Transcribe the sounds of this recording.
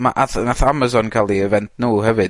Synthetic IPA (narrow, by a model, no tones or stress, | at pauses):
maʔaθnaθamazɔnkʰalˠiəvɛntʰnuːɦɛvɨd